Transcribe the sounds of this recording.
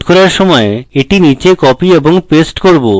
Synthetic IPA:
koɾaɾʃɔmɔeeʈinit͡ɕekɔpieboŋpesʈkoɾbo

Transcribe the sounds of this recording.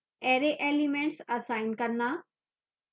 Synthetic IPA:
eɾeʔeːlimẽɳʈsɐsaːɪnkɐɾnaː

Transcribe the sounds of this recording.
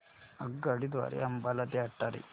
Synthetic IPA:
ɐɡːɐɽid̪ʋa̰ːɾḛɐmbalɐd̪eɐʈːaɾḭ

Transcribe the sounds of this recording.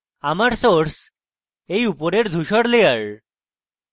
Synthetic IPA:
amaɾsoɾs | ejupɔɾeɾd̪ʱuɕɔɽleaɭ

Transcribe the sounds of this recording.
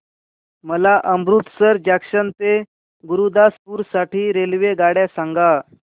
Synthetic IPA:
məlaʔəmbɾut̪səɾd͡ʑakʂənt̪e | ɡuɾud̪aspuːɾsaʈʰiːɾelʋeɡaɽjasaŋɡa

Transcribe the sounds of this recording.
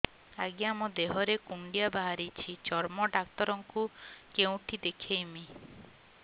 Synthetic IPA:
aɡiamɔd̪eɦɔɾekuɳɖijabaɦaɾit͡ʃʰit͡ʃɔɾmɔɖakt̪ɔɾɔŋkukeũʈʰid̪ekʰejmi

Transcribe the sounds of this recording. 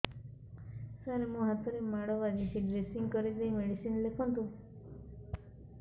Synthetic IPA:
sanemũɦat̪ʰɔɾemaɽɔʋad͡ʒisiɖɾesiŋɡkɔɾid̪ejmeɽisinlekʰɔ̃nt̪ũ

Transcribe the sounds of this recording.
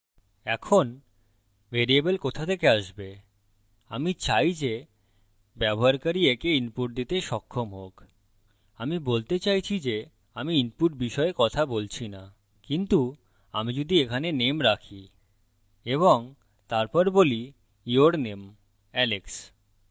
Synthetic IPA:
ɛkʰon | vʱeɾiebelkot̪ʰat̪ʰekeaʃbe | amit͡ɕajd͡ʑe | bɛboɦaɾkaɾiekeinpuʈ̚d̪it̪eʃɔkʰːomɦok | amibolt̪et͡ɕajt͡ɕʰid͡ʑe | amiinpuʈ̚biʃɔekɔt̪ʰabolt͡ɕʰina | kint̪u | a̰mid͡ʑod̪iekʰanenemɾakʰi | eβoŋ | t̪aɾpɔɾboli | joɾnem | ɛleks

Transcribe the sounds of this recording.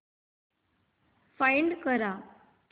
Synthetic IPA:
fajɳɖkəɾa

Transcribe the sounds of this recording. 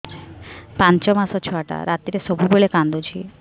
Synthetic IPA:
pãnt͡ʃɔmasɔt͡ʃʰɔaʈa̰ɾat̪iɾesɔbʱuboɭekãnd̪od͡ʒʰʱi

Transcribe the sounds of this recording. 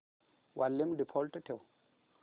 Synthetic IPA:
wʔalːimdipʰoltətew

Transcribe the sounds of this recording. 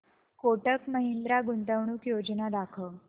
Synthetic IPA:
koʈəkməɦind̪ɾaɡunt̪əʋɳ̃uːkjod͡znad̪akʰə

